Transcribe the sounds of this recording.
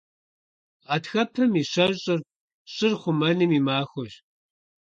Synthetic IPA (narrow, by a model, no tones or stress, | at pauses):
atxɐpʰɐmiːɕɐʑɕʼɨr | ɕʼɪrχʷʊmɐnɨmiːmaːxʷɔɕ